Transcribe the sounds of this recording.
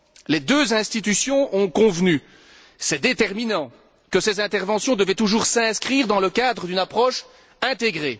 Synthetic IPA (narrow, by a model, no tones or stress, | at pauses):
led̪øzɛ̃st̪it̪ysjɔ̃ɔ̃kɔ̃vny | sɛd̪et̪ɛʁminɑ̃ | kəsezɛ̃t̪ɛʁvɑ̃sjɔ̃d̪əvɛt̪uʒuːʁsɛ̃skχiːʁd̪ɑ̃ləkad̪ʁəd̪ynapχɔʃ | ɛ̃t̪eɡʁe